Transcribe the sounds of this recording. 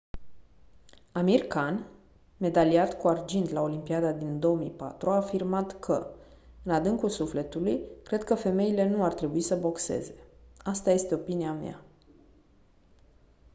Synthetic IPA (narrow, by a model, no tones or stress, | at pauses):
amirkan | me̞d̪aliat̪kuard͡ʒint̪lao̞limpiad̪ad̪ind̪o̞omḭjpa̰t̪ɾuaːfirmat̪kʰə̰ | ɨnad̪ɨŋkulsufle̞t̪ulujkɾe̞d̪̚kəfe̞me̞ile̞nuart̪ɾe̞buisəbo̞kse̞̰ze̞ast̪aje̞st̪e̞o̞piniamja̰